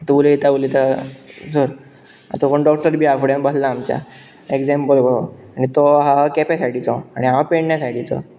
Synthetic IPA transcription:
t̪ulit̪aulit̪asoɾ | a̰t͡səkoɳɖɔk̚ʈəɾbʱiːafɽjãnbəslaːmt͡ɕja̰ | ekd͡zempəlbəañit̪oɦakɛpɛsaʈit͡sɔaɽ̃iɦãpeɳɳjasaʈit͡sɔ̰

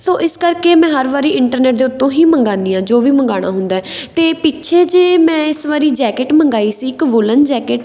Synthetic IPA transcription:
soːʔɪskəɾkeːmɛ̃ːɦəɾʋaːɾiːɪɳʈəɾneːʈ̚d̪eːʊt̪ːõːɦiːməŋɡaːniːãːd͡ʒoːʋiːməŋɡaːɽ̃a̰ːɦʊnd̪aːɛt̪eːpit͡ʃʰeːd͡ʒeːmɛ̃ːɪsʋaːɾiːd͡ʒɛːkeʈməŋɡaːiːsiːɪkʋʊlənd͡ʒɛːkeʈ

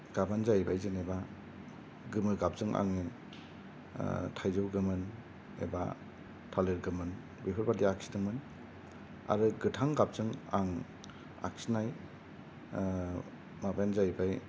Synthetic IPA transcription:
ɡ̥abanzajbajzɯneba | ɡɯmɯɡap̚zɯŋʔa̰ŋiŋ | tʰajzɯwɡɯmɯn | ḛba̰ | tʰaleɾɡɯmɯn | bipʰɯɾbadiak̚si̥dɯŋmɯn | a̰ɾɯɡɯtʰaŋɡap̚zɯŋa̰ŋ | a̰ksinaj | mabenzajbaj

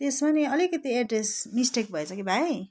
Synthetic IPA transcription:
t̪esmaneʌlikʌt̪ieʈresmisʈek̚bʱʌesʰʌkibʱaj

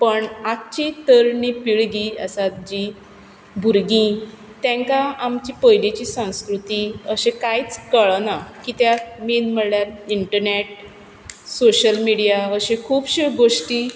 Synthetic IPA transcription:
pəɳak̚t͡ɕit̪əɾnipiɭɡiə̰sat̪d͡ʑi | bʱuɾɡĩ | t̪ɛ̃ŋkaamt͡ɕipəjlet͡ɕiːsə̃w̃skɾut̪iəɕẽkajt͡skəɭənakit̪jamiːnm̤əɽljaɾiɳʈəɾneʈ̚ | soɕəlmiɽijaəɕẽkʰuːbɕeɡoʂʈiː

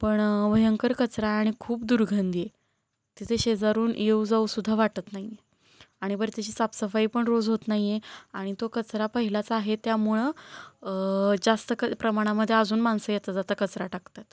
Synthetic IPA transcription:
pəɳʋəjəŋkəɾkət͡sɾaaɽ̃ikʰuːpd̪uɾɡʱənd̪ije | t̪it̪ʰeɕed͡zaɾuːnjeud͡zausud̪ʱːaʋaʈət̪naɦje | aɽ̃ibəɾt̪et͡ɕiːt͡sapsəfaiːpəɳɾod͡zɦot̪naɦijeaɽ̃it̪okət͡sɾapəɦilat͡saaɦet̪jamuɭə | d͡zast̪əkəpɾəmaɽ̃aməd̪ʱːjeəd͡zuːnmansəjet̪əd͡zat̪əːkət͡sɾaʈakt̪at̪

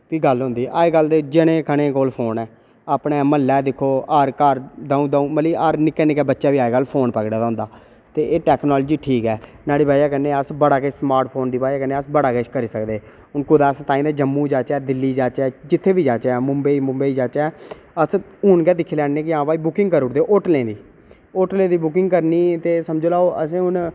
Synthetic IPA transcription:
piːɡəlɦʊ̃nd̪iːʔaːeːɡəld̪d͡ʒɪɽ̃ẽːkʰəɽ̃ẽːkoːlpʰoːnɛː | aːpnẽːməlːɛːd̪ɪkʰːoːaɾkəɾd̪ãːũːd̪aːũːməliːaːɾnɪkːɛnɪkɛːbətːʃaːʋiːaːeɡəlpʰoːnpəkɽaːd̪aːʊ̃ːnd̪aː | t̪eːʔeːʈɛːknɔːld͡ʒiːʈʰiːkɛː | naːɽiːbaːjaːkənːeːəsbəɽaːkesmaːɾʈ̚pʰoːnd̪iːbaːijaːkəneːəsbəɽaːket͡ʃkəɾiːsəkd̪eː | ʊnkʊd̪aːst̪ãːĩːd̪aːd͡ʒəmːũːd͡ʒaːt͡ʃɛːd̪ɪlːiːd͡ʒaːt͡ʃɛːd͡ʒɪt̪ʰːeːbiːd͡ʒaːt͡ʃːɛːmʊmbeimʊ̃mbeiːd͡ʒaːt͡ʃɛː | əs | ʊnkɛːd̪ɪkʰeːlɛːnneːkɪãːʋaːiːbʊkɪ̃ŋɡkəɾʊʈd̪eːʔʊʈlẽːd̪iː | oʈlẽːd̪iːbʊk̬ɪŋɡkəɾniːt̪eːsəmd͡ʒoːlaːoʔəs̬ẽːɦʊn

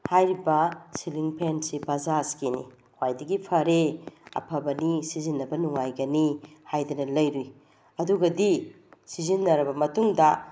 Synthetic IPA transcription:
hajɾibɐsiliŋpʰensibazaskenḭ | hwajdɐɡipʰɐɾeɐ̰pʰɐbɐnisizinːɐbɐnuŋajɡɐnihajdɐnɐlɐjɾuj | ɐduɡɐdi | sizinːɐɾɐbɐmɐtuŋdɐ

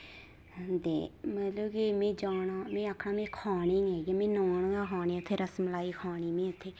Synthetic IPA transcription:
d̪ḛːmət̪ləbkeːmẽːd͡ʒaːnaːmẽːaːkʰɳãːmẽːkʰaːɳẽːeːɡeːmẽːnoːɳɡãːkʰaːɳẽːʊt̪ʰːeːɾəsmlaːiːkʰaːɳ̃iːmẽːʊt̪ʰːeː

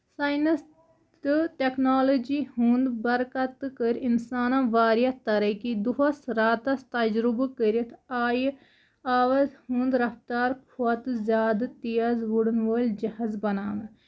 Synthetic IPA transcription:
saːjnɐs | d̪ɨʈeknaːloːd͡ʒiːhuːnd̪bɐɾkɐt̪kəɾɪnsaːnãʋaːɾjat̪ɐɾɐkid̪uɦɐsɾaːt̪ɐst̪ɐd͡ʒɾubkəɾit̪ʰaːj | aːʋɐzhũːnd̪ɾɐft̪aːɾkʰuɐt̪zʲaːd̪t̪ijɐzʋuɽnʋoːld͡ʒɐɦɐzbɐnaːmɐ̃

